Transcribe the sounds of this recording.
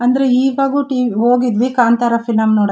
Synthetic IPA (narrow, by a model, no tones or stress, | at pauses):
ɐnd̪ɐɾeiːʋaːɡuʈiːʋiɦoːɡid̪ʋikaːnt̪aɾɐfʰilɐmnoːɽ